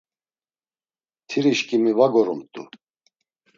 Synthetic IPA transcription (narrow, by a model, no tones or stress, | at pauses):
t̪ʰiɾiʃkʼimivaɡɔɾumt̪ʼu